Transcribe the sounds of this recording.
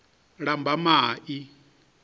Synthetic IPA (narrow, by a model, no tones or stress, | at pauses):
ɺambʱamaːʔi